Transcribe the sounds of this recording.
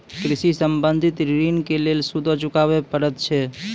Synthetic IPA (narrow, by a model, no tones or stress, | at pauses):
kɾɪʃisəmbənd̪ʱɪt̪ɾɾinkelelsud̪ʱot͡ʃʊkaʋepəɾət̪t͡ʃʰe